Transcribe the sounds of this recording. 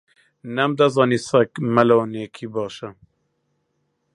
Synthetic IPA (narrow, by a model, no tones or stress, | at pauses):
nɛmd̪ɛzɑːniːsɛkmɛloːneːkʰiːbɑːʃɛ